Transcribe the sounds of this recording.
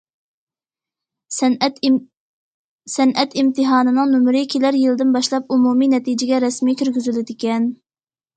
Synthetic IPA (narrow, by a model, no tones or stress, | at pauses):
sɛnʔɛt̪imt̪ʰɨɦɑːnɨnɨŋnumɾɪkʲʰelæɾjilɨd̪ɪnbɑʃlˠɑp̚umuminɛt̪id͡ʒɪɡʲɛɾɛsmiːkʲyɾɡʲyzylɪd̪ɪkʲɛn